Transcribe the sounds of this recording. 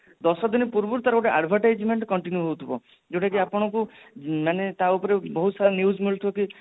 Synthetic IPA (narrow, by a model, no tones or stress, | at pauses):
d̪ɔsɔd̪inipuɾbuɾt̪aɾɡoʈeʔa̰ɖbʱɔʈajd͡ʒmeɳʈkɔɳʈinjuɦowt̪ʰibɔ | d͡ʒewʈak̬iapɔɽ̃ɔkumanet̪aupɔɾebɔɦut̪saɾɔnjud͡ʒmiɭut̪ʰibɔki